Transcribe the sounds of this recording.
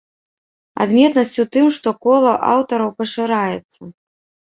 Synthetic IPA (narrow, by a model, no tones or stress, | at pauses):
a̰d̪mʲɛt̪nɐsʲt͡sʲut̪ɨmʂt̪ɔkɔlˠɐʔa̰wt̪ɐɾɐwpɐʂɨɾajɛt̪sːɐ